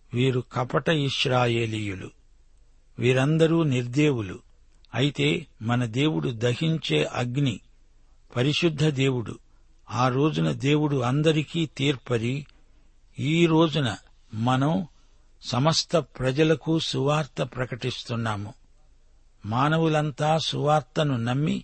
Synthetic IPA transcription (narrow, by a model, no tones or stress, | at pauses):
ʋiːɾukɐpɐʈɐiʃɾaːje̞ːliːjulṵ | ʋiːɾɐnd̪ɐɾuːniɾd̪e̞ːwulṵ | ɐ̰jit̪e̞ːmɐnɐd̪e̞ːwuɽud̪ɐhiɲt͡ʃe̞ːʔɐɡni | pɐɾiʃud̪ʱːɐd̪e̞ːwuɽṵ | aːɾo̞ːd͡ʒunɐd̪e̞ːwuɽuɐnd̪ɐɾikiːt̪iːɾpɐɾi | iːɾo̞ːd͡ʒunɐ | mɐnɐm | sɐmɐst̪ʰɐpɾɐd͡ʒɐlɐkusuʋaːɾt̪ɐpɾɐkɐʈist̪unːaːmu | maːnɐwulɐnt̪aːsuʋaːɾt̪ɐnunɐmːi